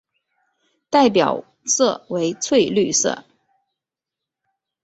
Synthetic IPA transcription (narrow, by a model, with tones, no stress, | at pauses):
t̪a˥˩ɪpjɑ̰˨˩ʊ | sɤ˥˩we˧˥ɪt͡sʰwe˥˧ɪly˥˧sɤ̰˥˩